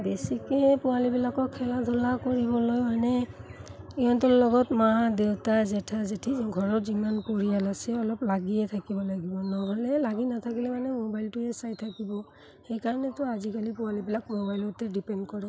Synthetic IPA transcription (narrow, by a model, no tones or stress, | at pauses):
besikɛpʊalibilakɔkʰːɛladʱulakoɹibɔlojmanɛ | iɔntɔllɔɡɔtmaɦadewtazɛtʰazetʰiɡʱɔɹɔɹzimanpoɹijalasɛɔlɔplaɡiɛtʰakibɔlaɡibɔnɔɦɔlɛlaɡinatʰakilɛmanɛmobajltʊɛsajtʰakibɔ | xɛjkaɹɔnɛtʊazikalipʊwalibilakmobajlɔtɛdipɛndkɔɹɛ